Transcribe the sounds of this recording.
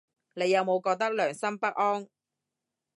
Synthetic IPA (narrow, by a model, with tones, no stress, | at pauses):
ne˨˧jːɐ˨˧wmo˨˧wkɔː˧k̚t̪ɐ˥k̚lœː˨˩ŋsɐ˥mpɐ˥k̚ʔɔː˥ŋ